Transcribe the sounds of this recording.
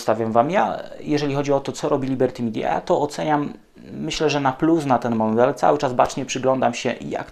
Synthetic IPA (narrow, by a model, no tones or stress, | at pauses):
st̪avʲjamvamja̰jɛʐɛlʲixɔd͡ʑiɔt̪ɔt̪sɔɾɔbʲilʲibɛɾt̪imʲid̪ʲja̰a̰t̪ɔɔt̪sɛɲamː | ɘɕlɛʐɛnaplusnat̪ɛnmɔnd̪ɛlt̪sa̰wɘt͡ʂazbat͡ʂɲɛpʂɘɡlɔnd̪amɕɛʔija̰k